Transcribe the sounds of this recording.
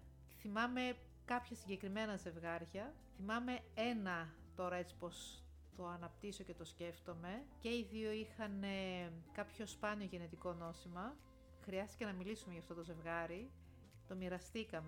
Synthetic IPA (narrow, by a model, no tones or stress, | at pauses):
θimɐme̞ | kɐpçɐsiɲɟe̞kɾime̞nɐze̞vɣɐɾʝɐ | θimɐme̞e̞nɐ | t̪o̞ɾɐe̞t͡si̥po̞s | t̪o̞ɐnɐp̚t̪iso̞ce̞t̪o̞sce̞ft̪o̞me̞ce̞iðio̞ixɐnekɐpço̞spɐnio̞ʝe̞net̪iko̞no̞simɐ | xɾiɐst̪i̥cenɐmilisume̞ʝɐft̪o̞t̪oze̞vɣɐɾi | t̪o̞miɾɐst̪ikɐme